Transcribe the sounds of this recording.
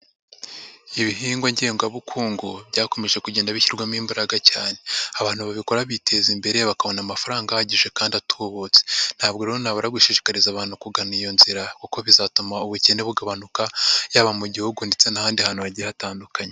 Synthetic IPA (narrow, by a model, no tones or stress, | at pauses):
iβiɦiːŋɡwaɲɟeːŋɡaβukʰuːŋɡobɟaːko̞me̞ʒe̞kuɟe̞ːndaβiçiɾɡwamiːmbaɾaɡacaːne̞eaβaːn̥huβaβiko̞ɾaβitʰe̞zimbe̞ɾe̞βakaβo̞namafaɾaːŋɡahaɟiʒe̞kaːndiatʰuβot͡se̥n̥haːbɡoɾeonaβoɾaɡuʃiʃi̥kaɾizaβaːn̥hukuɡanijo̞nziɾakoko̞βizatumauβuce̞neβuɡaβanukajaːβamuɟihuɡunde̞t͡se̞nahaːndihaːnuβaɟiɾaataːndukaɲe